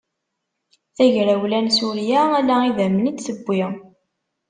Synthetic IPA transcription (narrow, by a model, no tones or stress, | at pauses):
θæʝɾæwlænsuɾjæælæiðæmənit͡s̪ːsəbːɪ